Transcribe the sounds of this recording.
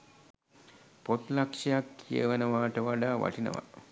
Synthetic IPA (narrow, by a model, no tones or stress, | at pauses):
pot̪lakʂɐjakːijə̰ʋenəʋaːʈəʋaɖaːʋa̰ʈinə̰ʋa̰